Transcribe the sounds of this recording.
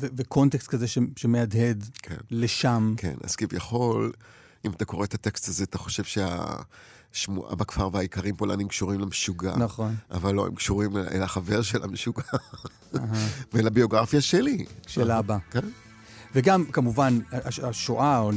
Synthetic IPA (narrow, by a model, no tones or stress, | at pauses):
vevekʰo̞ntekst̪̚kazeʃeʃemead̪ɦe̞d̪kʰḛnleʃamkʰe̞̰na̰z̥kivjaχo̞l | imat̪ako̞ʁet̪at̪ekst̪azeat̪aχo̞ʃe̞vʃea̰ | ʃmuʔa̰bakfaʁveaikaʁimpolʔa̰nimkʃuʁimlemeʃuɡa̰naχonʔa̰valːo̞̰ḛmkʃuʁim̰ʔḛlaχave̞ʁʃela̰meʃuɡa | aɦavelabio̞ɡʁafjaʃeliʃelabaken | veɡamkamuvanaaaʃoʔao